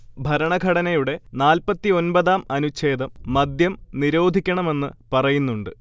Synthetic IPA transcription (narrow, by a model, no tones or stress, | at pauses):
bʱɐɾɐɳɐɡʱɐɽɐnɐjuɽe̞naːlpɐt̪ːio̞nbɐðaːmɐnut͡ɕːe̞ːd̪ɐmːɐd̪jɐmniɾo̞ːd̪ʱikʲːɐɳɐme̞nːɨ̰pɐrɐjunːuɳɖɨ̰